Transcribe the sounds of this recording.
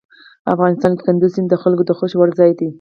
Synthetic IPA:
a̰fɣɑnɪst̪ɑnke̥kand̪usind̪əxalkod̪əxoʃwaɾzɑjd̪i

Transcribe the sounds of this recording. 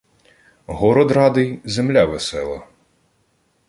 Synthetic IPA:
ɦɔɾɔd̪rɑd̪ɪjzemlʲaʋesɛlˠɐ̰

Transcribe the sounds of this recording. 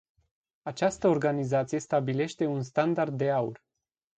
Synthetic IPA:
at͡ʃast̪əo̞rɡanizat̪sije̞st̪abile̞ʃt̪e̞unst̪and̪ard̪ːe̞aṵr

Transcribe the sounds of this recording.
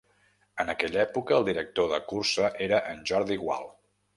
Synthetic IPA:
ənəkɛʎɛpukəːlˠd̪iɾək̚t̪oðəkursəʔeɾəʔənʲʒɔɾðiɣwa̰lˠ

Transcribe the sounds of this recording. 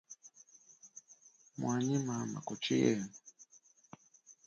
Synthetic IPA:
mwaɲimama̰kɔt͡ʃijɛ̰n

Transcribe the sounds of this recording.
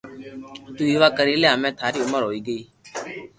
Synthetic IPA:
t̪uːiːʋaːkəɾiːlejaːmɛ̃ːt̪ʰaːɾiːʊməɾɦoːiːɡəiː

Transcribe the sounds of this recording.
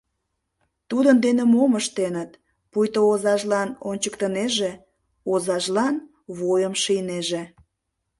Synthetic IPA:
t̪ud̪ənd̪enemoməʃt̪enət̪ | pujt̪oozɑʒlɑnonʲt͡ɕəkt̪əneʒe | ozɑʒlɑn | βojəmʃijneʒe

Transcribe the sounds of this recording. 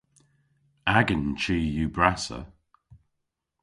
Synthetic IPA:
aɡənt͡ʃiːjuːbɹasə̰

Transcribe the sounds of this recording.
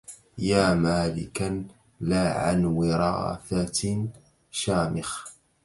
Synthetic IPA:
jaːmaːlɪ̰kan | laːʕa̰nwɪɾˤɑ̰ːθa | ʃaːmɪx

